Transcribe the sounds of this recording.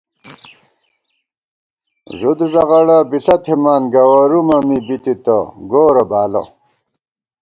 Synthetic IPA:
ʐud̪ʐɐʁɐɽɐbiɬɐt̪ʰimaːnɡɐwɐɾumɐmibit̪it̪ɐɡoːɾɐbaːlɐ̰

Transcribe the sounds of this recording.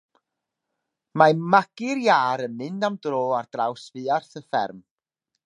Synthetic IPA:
mamaɡ̥ɪɾjaːɾənmɨndamdroːard̥rawsvɨːarθəfɛ̰rm

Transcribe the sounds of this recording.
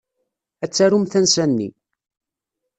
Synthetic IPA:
æt͡sːæɾumθænsænːḭ

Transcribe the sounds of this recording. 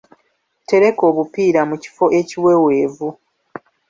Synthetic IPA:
te̞ɾe̞ko̞ːβupiːɾamuci̥fo̞ʔe̞ciwe̞we̞ːvu

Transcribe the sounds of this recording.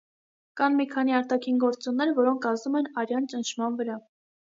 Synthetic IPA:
kɑnmikʰɑn̪iɑɾt̪ɑkʰinɡɔɾt͡sunːɛɾvɔɾɔŋkʰɑzumɛnɑɾjɑnt͡ʃənʃʰmɑnvəɾɑ

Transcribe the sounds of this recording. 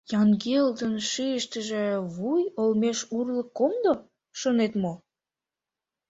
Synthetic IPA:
jɑŋɡeld̪ənʃiəʃt̪əʒĕβujolmeʃurləkːomd̪o | ʃonet̪mo

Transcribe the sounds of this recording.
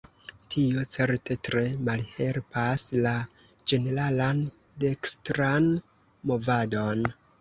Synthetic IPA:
tʰio̞t͡se̞ɾtʰe̞tɾe̞malhe̞lpasla | d͡ʒe̞ne̞ɾalan | dekstɾan | mo̞vado̞n

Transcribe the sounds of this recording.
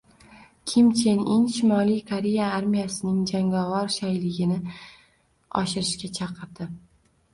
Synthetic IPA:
kʲʰimt͡ʃʰeninʃɪmɒlijkʰaɾe̞jaaɾmijasɪnɪŋd͡ʒaŋavaɾʃajlɪɡʲɪnɪ | ɒ̰ʃɪɾɪʃkʲat͡ʃʰɑqʰɨɾd̪̥ɪ

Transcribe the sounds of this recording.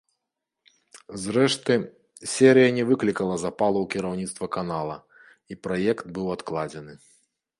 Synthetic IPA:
zɾɛʂt̪ɨ | sʲɛɾɨjɐnʲɛvɨklʲikɐlˠɐzapalˠɐwkʲiɾawnʲit̪st̪vɐkanalˠɐ̰ | ipɾajɛkt̪̚bɨwat̪klˠad͡zʲɛnɨ

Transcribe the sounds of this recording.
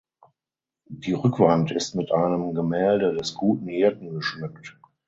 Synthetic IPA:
d̥iːʁʏkv̥antɪstmɪtʔaɪnəmɡəmɛːldədɛsɡ̥uːtn̩heːɐtn̩ɡəʃmʏkt

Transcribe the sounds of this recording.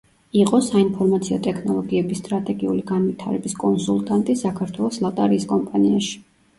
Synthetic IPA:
iqʼɔsainpʰɔɾmat̪sʰiɔt̪ʼɛkʰnɔlˠɔɡiɛbist̪ʼɾat̪ʼɛɡiuliɡanvit̪ʰaɾɛ̰biskʼɔnsulˠt̪ʼant̪ʼisakʰaɾt̪ʰwɛlˠɔslˠat̪ʼaɾiːskʼɔmpʼaniaʃi̥

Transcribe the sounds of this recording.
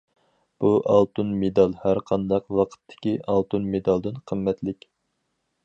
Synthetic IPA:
b̥uʔɑ̰lˠt̪unmed̪ɑlˠhæɾqʰɑnd̪ɑqwɑqʰə̥t̪ʰːɪ̥kʲiʔɑlˠt̪unmed̪ɑlˠd̪ɨnqʰəmːɛt̪lɪkʲ

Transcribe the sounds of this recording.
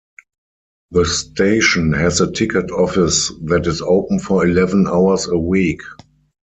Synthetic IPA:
ðəstʰeɪʃɔ̃nhɛzətʰɪkətʰɔfɪsðætɪsoʊpən̩fɔilɛvə̃naʊəsəwiːk

